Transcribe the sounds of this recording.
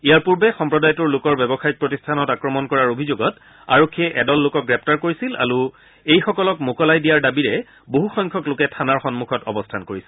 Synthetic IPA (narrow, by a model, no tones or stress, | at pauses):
ijaɹpuɹbɛxɔmpɹɔdajɔtuɹlʊkɔɹbɛbɔxajit̚pɹɔtistʰanɔtakɹɔmɔnkɔɹaɹobʱizoɡɔt | a̰ɹokʰːiɛʔɛdɔlːʊkɔk̚ɡɹɛp̚taɹkoɹisila̰ɹu | ejxɔkɔlɔkmokɔlajdijaɹdabiɹɛ | boɦuxɔŋkʰɔklʊkɛtʰanaɹxɔnmukʰɔtɔ̰bɔstʰankoɹisɛl